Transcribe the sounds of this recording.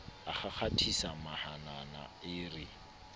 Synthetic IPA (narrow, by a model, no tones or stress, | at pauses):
aχak͡xʰatʰisamahanana̰ɪrɪ